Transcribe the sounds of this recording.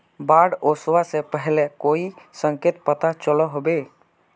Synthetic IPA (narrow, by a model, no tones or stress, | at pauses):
baːɽoswasepəɦlekoːisə̃ŋkeːt̪̚pət̪at͡ʃəlɔɦobe